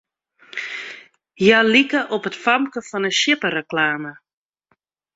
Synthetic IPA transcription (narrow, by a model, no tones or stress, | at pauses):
jalikəʔɔpətfamkəfɑnəʃɪpəɾəklaːmə